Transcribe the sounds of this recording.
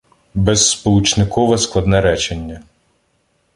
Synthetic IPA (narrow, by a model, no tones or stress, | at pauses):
bɛzːpɔlˠut͡ʃnɪkʰɔʋɛsklˠɐd̪nɛɾɛt͡ʃenʲːɐ